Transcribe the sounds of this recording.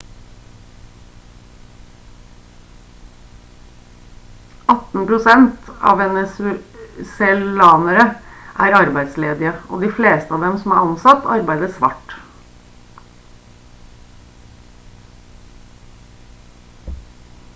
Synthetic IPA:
ʔɑt̪n̩pɾʊsɛnt̪ɑ̰ːʋɛnəsʉsɛlɑːnəɾəʔæːɾɑɾbæɪd̪sleːd̪ɪəʔo̰ːd̪iːfleːst̪əɑːʋd̪ɛmsɔm̩æːɾɑnsɑt̪ɑɾbæɪd̪əsʋɑ̰ːʈ

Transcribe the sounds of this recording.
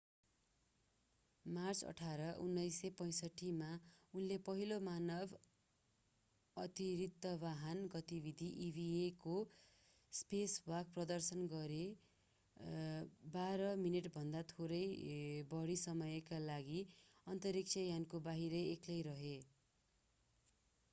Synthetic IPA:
mart͡sʌ̰ʈʰaɾʌʔṵnːʌjsʌpʌj̃sʌʈʰːimaunlepʌɦilomanʌbʱ | ʌt̪iɾit̪ːʌbaɦʌnɡʌt̪ibid̪ʱiʔibʱieko | spesbʌk̚prʌd̪ʌrsʌnɡʌɾe | baɾʌmineʈbʱʌnd̪at̪ʰoɾʌjbʌɽisʌmʌjkalaɡiʌnt̪ʌɾik̚t͡sʰʌjankobaɦiɾʌeklejɾʌɦe

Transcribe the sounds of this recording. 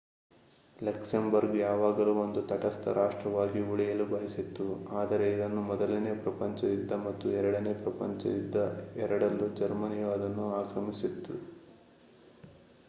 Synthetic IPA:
lɐksɐmbɐɾɡjaːʋaːɡɐluond̪ut̪ɐʈɐst̪ɐ̰ɾʔaːʂʈɾɐʋaːɡiuɭijɐlubɐɦisit̪ːuaːd̪ɐɾe̞id̪ɐnːumɔd̪ɐlɐnepɾɐpɐɲt͡ʃɐid̪ːɐmɐt̪ːuɛɾɐɽɐnepɾɐpɐ̰ɲt͡ʃɐ̰id̪ːɐɛɾɐɽɐlːud͡ʒɐɾmɐnijɐʋaːd̪ɐnːuaːkɾɐmisit̪ːu

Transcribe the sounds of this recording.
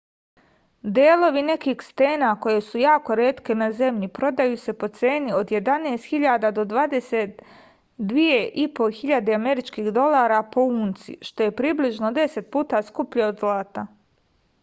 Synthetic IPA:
d̪eːlo̞ʋine̞kiːxst̪e̞ːnako̞je̞sujaːko̞ɾeːt̪ke̞naze̞mʎipɾo̞d̪ajuːse̞po̞t̪seːnio̞d̪je̞d̪aneːst̪xiʎaːd̪ad̪o̞d̪ʋaːd̪e̞set̪ | d̪ʋijeʔipo̞xiʎad̪eameɾit͡ʃkiːxd̪o̞laːɾapo̞uːnt̪sḭʃt̪o̞je̞pɾiːbliʒnod̪e̞se̞t̪̚puːt̪askupʎeod̪zlˠaːt̪a

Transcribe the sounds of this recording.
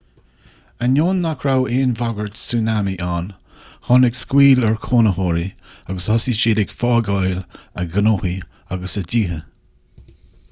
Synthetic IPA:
ənoːnːakʰɾaweːnvaɡəɹdsuːnamiʔaːn | hɔnɪɡskwiːlɛɹkʰoːnəhoːɹiaɡəshɔsiʃeːdɪɡfɑːɡɑjlə̰ɡənoːhi | aɡəsədiːɦə

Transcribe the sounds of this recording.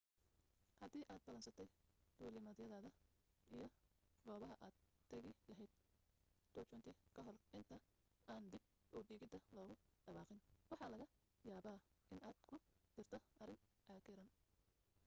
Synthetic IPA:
hɐd̪iːʔaːd̪̚bɐlɐnsɐt̪ʰɛjd̪̥uːlɪmɐðjɐðaːðɐ | ijɞɡɔːβɐɦɐʔaːd̪t̪ʰɐɣɪlɐɦɛjd̪̥̚ | d̪̥ɔːt͡ʃɔnt̪ʰɪkʰɐɦɔrʔɪnt̪ʰɐ | ʔaːnd̪ɪb̚ | ɔːd̪iːɣɪd̪ɐlɔːɣʊɖɐβɑːqɪnwɑħɑːlɐɣɐ | jaːβaːʔɪnaːd̪̥kʰʊd̪ɪrt̪ʰɔʔɐrɪŋʔaːkɪɾɐn

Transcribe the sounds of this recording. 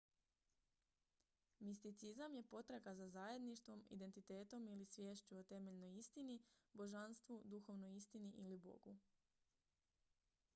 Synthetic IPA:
mist̪it̪sizamje̞po̞t̪ɾaɡazazaje̞d̪niʃt̪ʋo̞mḭd̪e̞nt̪it̪e̞ːt̪o̞milisʋje̞ːʃt͡ʃuot̪e̞me̞ʎnojist̪inibo̞ʒanst̪ʋud̪uxo̞ʋnojist̪iniʔilibo̞̰ɡu

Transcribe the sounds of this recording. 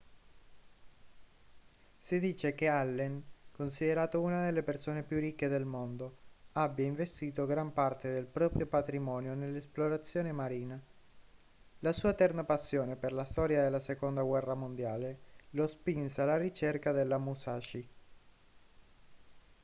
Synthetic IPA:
sid̪iːt͡ʃekealːɛŋkons̬id̪eɾaːt̪ounad̪elːepersoːnepjurikːed̪elmond̪oabːjaiɱvest̪iːt̪oɡɾampart̪ed̪elpɾɔːpɾjopat̪ɾimɔːnjonelːesploɾat̪sːjoːnemaɾiːna | lasuːat̪ɛrnapasːjoːneperlast̪ɔːɾjad̪elːasekond̪aɡwɛrːamond̪jaːlelospinsalaɾit͡ʃerkad̪elːamusaːʃi

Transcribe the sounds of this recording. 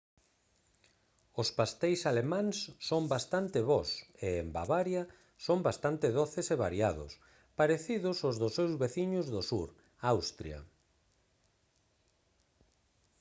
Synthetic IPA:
ʊspast̪ejsalemãŋsːombast̪ant̪ɪβɔseːmba̰βaɾja | sombast̪ant̪ɪðoθɪseβaɾjaðʊ̰s | paɾeθiðʊsʊzðʊsewzβeθiɲʊzðʊsṵɾ | awst̪ɾja̰

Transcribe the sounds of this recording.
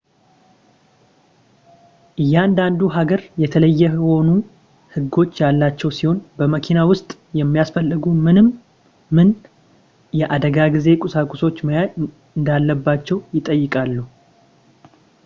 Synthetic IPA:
ʔɨjːand̪and̪uɦaɡəɾjɛt̪ʰələjːɛho̞nu | hɨɡːo̞t͡ʃːjalːat͡ʃːɛwsiho̞nbəməkʰinawʊst̪ʼ | jɛmːijasfəlːɨɡumɨnɨmː | ɨn | jɛʔad̪əɡaɡize̞kʼʊsakʼuso̞t͡ʃːməjaj | ɨnd̪alːəbːat͡ʃːɛwjɪt̪ʼəjːɪkʼalːu

